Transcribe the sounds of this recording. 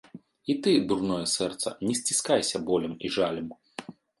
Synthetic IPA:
it̪ɨd̪urnɔjɛsɛrt̪sɐ̰nʲɛsʲt͡sʲiskajsʲɐbɔlʲɐmiʐalʲɐm

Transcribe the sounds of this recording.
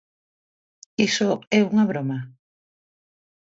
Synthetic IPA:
isoɛuŋaβɾoma

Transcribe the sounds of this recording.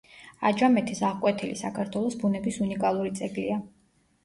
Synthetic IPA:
a̰d͡ʒamɛt̪ʰisaʁkʼwɛt̪ʰilisakʰaɾt̪ʰwɛlˠɔsbunɛbisunikʼalˠuɾit̪sʼɛɡlḭa

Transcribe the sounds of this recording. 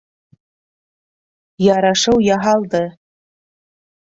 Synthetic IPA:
jɑɾɑʃɤwjɑɦɑlˠd̪ɤ

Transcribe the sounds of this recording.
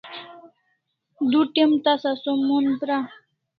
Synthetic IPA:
d̪uʈemt̪asasomunpɾa

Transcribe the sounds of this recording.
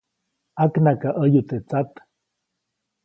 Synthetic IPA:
aknakaʔəjut̪et͡sat̪

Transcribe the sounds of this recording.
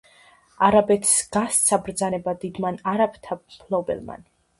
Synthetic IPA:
aɾabɛt̪ʰsɡ̥ast̪sʰabɾd̪zanɛbad̪id̪manaɾabt̪ʰapʰlˠɔbɛ̰lˠma̰n

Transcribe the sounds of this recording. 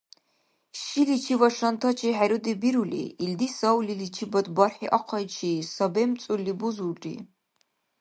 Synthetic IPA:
ʃilit͡ʃʰivaʂɐnt̪ʰɐt͡ʃʰiħaɾud̪ibiɾulḭild̪isawlilit͡ʃʰibɐd̪barħiʔaqʰɐjt͡ʃʰisɐbemt͡sʼulːibuzuʈ͡ʂʼḭ

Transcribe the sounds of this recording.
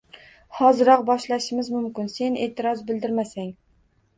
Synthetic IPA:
hɒzɪɾɒqbɒʃlaʃɪmɪzmʊmkʲɪnse̞ne̞̰ːt̪ʰɪɾɒzbɪlˠd̪ɪɾmasaŋ

